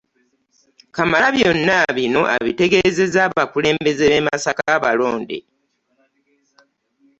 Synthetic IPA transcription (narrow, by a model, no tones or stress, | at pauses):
kamalaβjo̞nːaβino̞ʔa̰βḭte̞ɡe̞ze̞zaːβakule̞ːmbe̞ze̞βe̞masakaːβaloːndḛ